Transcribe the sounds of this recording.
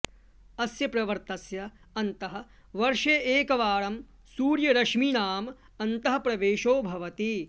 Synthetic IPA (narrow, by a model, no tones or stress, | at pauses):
ɐsjɐpɾɐʋɐɾt̪ɐsjɐ | ɐnt̪ɐɦɐ̆ | ʋɐɾʃeʔeːkɐʋaːɽɐm | suːɾjɐɾɐʃminaːm | ɐnt̪ɐɦɐ̆pɾɐʋeːʃoːbʱɐʋɐt̪i